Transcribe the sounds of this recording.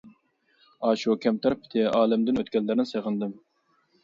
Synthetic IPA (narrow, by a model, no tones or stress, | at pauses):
ɑːʃukʲɛmt̪ʰɛɾpʰɪ̥t̪ʰɪɑːlɪmd̪ɪnøt̪kʲɛlːɪɾnɪseʁɨnd̪ɨm